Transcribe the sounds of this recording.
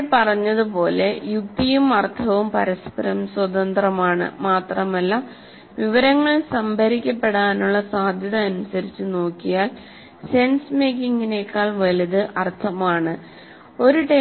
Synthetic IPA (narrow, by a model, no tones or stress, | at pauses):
pɐrɐɲːɐðupo̞ːle̞juk̚t̪ijumɐrt̪ʰɐʋumpɐɾɐspɐɾɐmswɐðɐnd̪rɐmaːɳɨ̰maːt̪rɐmɐlːɐ | ʋiʋɐɾɐŋːɐɭsɐmbʱɐɾikʲːɐpːe̞ɽaːnuɭːɐsaːd̪ʱjɐðɐːnusɐɾit͡ɕːuno̞ːkːijaːl | se̞nsme̞ːkːiŋɡine̞ːkːaːɭʋɐliðɨʔɐrt̪ʰɐmaːɳɨ | o̞ɾuʈe